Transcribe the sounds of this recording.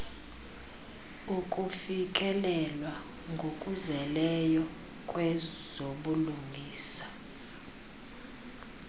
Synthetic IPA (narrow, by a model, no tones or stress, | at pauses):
ukʼufik̬ʼɛlɛlwa | ŋɡʱokʼuzɛlɛjɔ | kʼwɛzoɓuluŋɡʱiːsḁ